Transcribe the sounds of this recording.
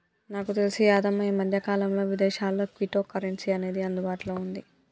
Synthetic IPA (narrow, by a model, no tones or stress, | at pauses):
naːkut̪e̞lisiaːd̪ɐmɐjɐmɐd̪ʱjɐkaːlɐmlo̞ːʋid̪ɛːʃaːlːo̞ːkʋiʈoːkːɐɾeɳʈsiɐne̞ːd̪iɐnd̪ubaːʈuloːund̪i